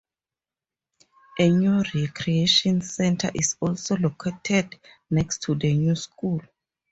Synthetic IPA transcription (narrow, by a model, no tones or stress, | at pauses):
ʔɛnuɹekʰɹieʃɔ̃nsɛ̃ntʰa̰ʔisɔlsolokʰetʰɛd | nɛkstʰudənuskʰul